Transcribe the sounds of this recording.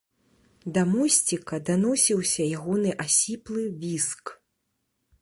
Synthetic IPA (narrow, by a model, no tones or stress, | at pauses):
d̪ɐmɔsʲt͡sʲikɐd̪anɔsʲiwsʲɐjaɣɔnɨʔasʲiplˠɨvʲisk